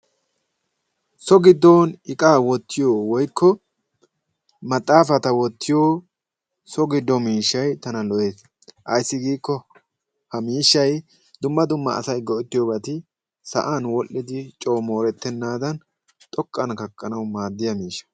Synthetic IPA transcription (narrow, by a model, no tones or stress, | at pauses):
sɔɡɪd̪ːoːnɪkʼaːwɔt̪ːɪjoːwɔjkʰːɔ | mɐt̪ʼːaːfɐt̪ɐwɔt̪ʰːɪjoː | sɔɡɪd̪ːɔmiːʃːɐjt̪ɐnɐlɔʔe̞ːs | ʔɐjsːɪɡiːkːɔ | hɐmiːʃːɐj | d̪̥ʊmːɐd̪ʊmːɐ̰ːsɐjɡɔʔɪt̪ːɪjoːbɐt̪ɪ | sɐ̰ʔaːnwɔʔːɪd̪ɪt͡ʃʼoːmo̞ːɾɛt̪ːɛnːaːd̪ɐn | t̪ʼɔkʼːɐnkɐkʼːɐnɐwmaːd̪ːɪjɐmiːʃɐ̥